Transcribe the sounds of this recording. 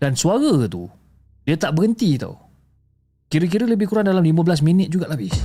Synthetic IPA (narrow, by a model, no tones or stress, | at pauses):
d̥ansuaɣat̪ṵ | diat̪aʔbəɣənt̪it̪a̰w | kiɾək̬iɾələbɪhkuɾaŋdalamliməbəlas̬minɪt̪̚d͡ʒuɡaʔlabɪh